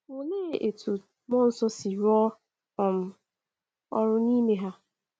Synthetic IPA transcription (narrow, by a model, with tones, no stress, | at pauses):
o˨leː˦˨e˨tʰu˨ | mɔ˦n̩˦sɔ˦si˨ɾɔ˦ | ɔ˨m̩˦ | ɔ̰˦ɾʊ˦ni˦me˦ɦa˦